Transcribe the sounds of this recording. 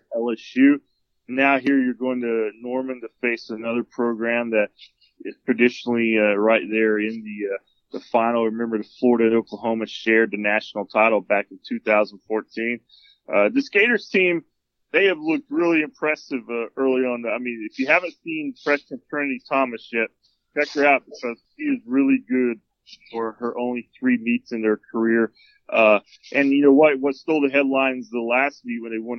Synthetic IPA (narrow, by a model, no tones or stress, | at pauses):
ɛlˠɛʃjʉ | nːaʊɦiɹjə˞ɡoʊɪ̃ŋtɨnɔɹmɨ̃ntɨfeɪsɨnʌðə˞pʰɹ̥oʊɡɹæ̃mðɨɾ | ɪz̥tʰɹ̥ɨdɪʃnl̩ˠiʌɹaɪt̪̚ðə˞ɪ̃nðiʌ | ðəfãɪ̃nl̩ˠɹɨmɛ̃mbə˞əfɔɹɾɨɾoʊkəɦõʊ̃mɨʃɛɹd̪̚ðɨnæʃnl̩ˠtʰaɪɾl̩ˠbækn̩tʰʉθaʊzn̩fɔɹtʰĩn | ʔʌðɨskeɪɾə˞z̥tʰĩm | ðeɪɨvlʊk̚t̚ɹɪlˠiɨ̃mpʰɹ̥ɛsɨvʌɜ˞lˠiə̃naɪmĩnɨfjɨhævɨ̃ntsĩnfʰɹ̥ɛʃkɨ̃ntʰɜ˞nɨɾitʰɑmɨsjɛt̚ | t͡ʃʰɛk̚ə˞aʊt̚b̥ɨkʰʌz̥ʃiɨzɹɪlˠiɡʊd̥̚ | fə˞ə˞ʔõʊ̃nliθɹimitsɨ̃nðə˞kʰə˞ɪɹ | ʔʌ | ʔɨ̃njɨnoʊwʌt̚wʌtstoʊlˠðɨɦɛdˡlãɪ̃nzðəlæst̚wik̚wɨ̃nðeɪwɛ̃n